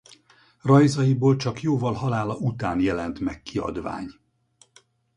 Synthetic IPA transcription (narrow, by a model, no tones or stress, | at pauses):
rɒjzɒjiboːlt͡ʃɒkjoːvɒlɦɒlaːlɒʔut̪aːnjɛlɛnt̪mɛkːiɒ̰d̪va̰ːɲ